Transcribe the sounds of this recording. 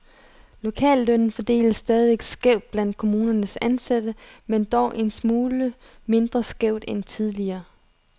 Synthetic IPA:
lo̝kʰɛ̰ːlːœn̰n̩fɒ̽d̥e̝̰ːləsːd̥ɛːð̞ˠiʋeɡ̥sɡ̥eʊ̰d̥̚b̥læn̰d̥̚kʰo̝muːnɐnəsænsæd̥əmend̥ɒʊʔe̝nsmuːlə | me̝nd̥ʁɐsɡ̥eʊ̰d̥ent͡sʰið̞ˠliɐː

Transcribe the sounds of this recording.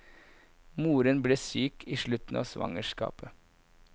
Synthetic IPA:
muːɾənbleːsyːkʰiːʃɭʉt̪n̩ɑ̰ːsʋɑ̰ŋəʃkɑ̰ːpə

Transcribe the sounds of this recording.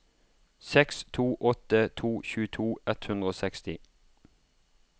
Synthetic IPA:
sɛkst̪ʰuːʔɔt̪ət̪ʰuːçʉːət̪ʰuːɛt̪hʉnd̪ʁəoːsɛkst̪ɪ

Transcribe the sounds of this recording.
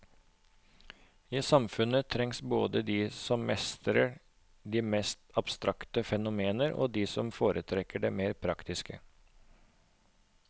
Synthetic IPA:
iːsɑmfʉnət̪ʰɾɛŋsbo̰ːd̪əd̪iːsɔmmɛst̪ɾə | d̪iːmɛst̪ɑb̥st̪ɾʔɑkt̪əfɛnʊmeːnəɾo̰ːd̪iːsɔmfoːɾʔət̪ʰɾɛkəɖeːmeːɾpʰɾɑkt̪ɪskə

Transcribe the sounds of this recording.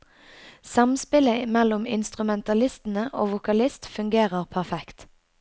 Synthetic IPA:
sɑmspɪləmɛlɔmɪ̰nst̪ʁʉmɛnt̪ɑlɪst̪n̩əʔo̰ːʋʊkɑlɪst̪fʉŋɡeːʁəʁpʰæʁfɛkt̪

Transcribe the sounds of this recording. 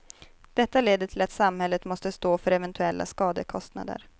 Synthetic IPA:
d̪̥ɛt̪ːaleːd̪əʈʰɪlat̪samhɛlːət̪mɔst̪əst̪oːfœɾɛvɛnt̪ʰɵɛlːa̰skɑːd̪əkʰɔst̪na̰d̪ə̰ɾ

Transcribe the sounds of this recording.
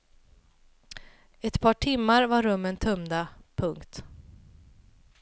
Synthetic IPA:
ɛt̪pʰɑːʈʰɪmːaɾvaɾɵmːənt̪ʰɵmd̪apʰɵŋkt̪

